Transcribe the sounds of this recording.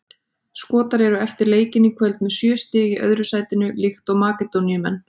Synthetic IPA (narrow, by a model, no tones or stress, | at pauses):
skɔːt̪aɾɛɾʏɛft̪ɪɾleːjcɪnikʰvœlt̪mɛðsjœːst̪ɛːjɪʔœ̰ðɾʏsaːjt̪ɪnʏlɪxt̪ɔɣmaːkɛt̪onjʏmɛ̰nː